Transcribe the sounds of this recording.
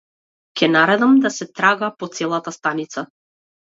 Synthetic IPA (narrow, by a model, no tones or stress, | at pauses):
kʲʰɛnaɾɛd̪amd̪asɛt̪ɾaɡapɔt̪sɛlˠat̪ast̪anit̪sa